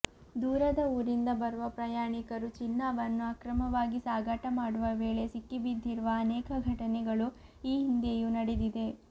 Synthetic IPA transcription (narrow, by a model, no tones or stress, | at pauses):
d̪uːɾɐd̪ɐuːɾind̪ɐbɐɾuʋɐpɾɐjaːɳikɐɾut͡ʃinːaːʋɐnːuɐkɾɐmɐʋaːɡisaːɡʱaʈɐmaːɽuʋɐʋeːɭe̞sikːibid̪ʱːiɾuʋɐːnɛːkɐɡʱɐʈɐnɛɡɐɭuiːɦind̪ejunɐɽed̪id̪e̞